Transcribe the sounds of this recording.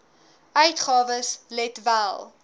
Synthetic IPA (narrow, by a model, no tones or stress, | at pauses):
ʔœɥtχɑːvəslɛtvælˠ